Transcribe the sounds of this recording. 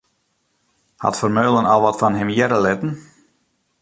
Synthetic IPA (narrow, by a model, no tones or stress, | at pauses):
ha̰tfərmøːlˠənɔlˠʋɔtfɔnɦɪmjɛɾəlɪtən̩